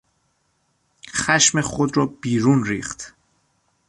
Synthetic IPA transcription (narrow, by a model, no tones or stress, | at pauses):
xæʃmexod̪ɾɒːbiːɾuːnɾiːxt̪